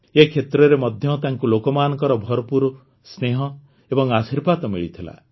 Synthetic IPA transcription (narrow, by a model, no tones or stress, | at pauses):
ekʰet̪ɾɔɾemɔd̪ʱjɔt̪aŋkulokɔmaːnɔkɔɾɔbʱɔɾɔpuɾu | sneɦɔ | ebɔŋasiɾbat̪ɔmḭɭit̪ʰila̰